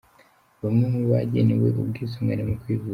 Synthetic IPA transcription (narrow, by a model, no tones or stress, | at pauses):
βamŋemuβaɟenewe̞̰ʔubɡiːzomŋweɾemukwiːvu